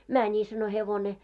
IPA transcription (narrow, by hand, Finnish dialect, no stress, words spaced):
mæni sɑno heʋone